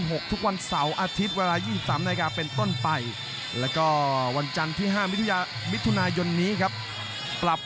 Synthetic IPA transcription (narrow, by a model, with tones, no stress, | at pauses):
ɦo˨˩k̚t̪ʰu˦˥k̚wa˧nsa˩˦wʔaː˧t̪ʰi˦˥t̪̚weː˧laː˧jiː˥˩si˨˩p̚saː˩˦mnda˧a˧kaː˧pe˧nt̪o˥˩npa˧j | lɛː˦˥wkɔː˥˩wa˧nt͡ɕa˧nt̪ʰiː˥˩ɦaː˥˩mi˦˥t̪ʰː | mi˦˥t̪ʰːu˧naː˧jo˧nːiː˦˥kʰa˦˥p̚ː | ɾa˨˩p̚